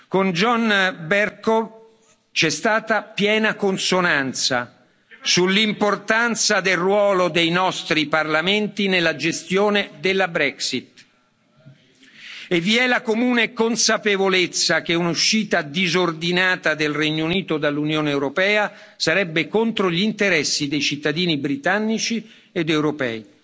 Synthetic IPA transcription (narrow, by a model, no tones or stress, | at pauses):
kond͡ʒɔnbɛrko | t͡ʃɛst̪aːt̪apjɛːnakonsonant̪sa̰ | sulːimport̪ant̪sad̪elrwɔːlod̪ejnɔst̪ɾiparlament̪inelːad͡ʒest̪joːned̪elːabɾɛksit̪ | evːiɛlakomuːnekonsapevolet̪sːak̟eunuʃːiːt̪ad̪izord̪inaːt̪ad̪elrɛɲːouniːt̪od̪alːunjoːneɛwɾopɛːa | saɾɛbːekont̪ɾoʎint̪eɾɛsːid̪ejt͡ʃit̪ːad̪iːnibɾit̪anːit͡ʃi | ed̪ɛwɾopɛ̰ːi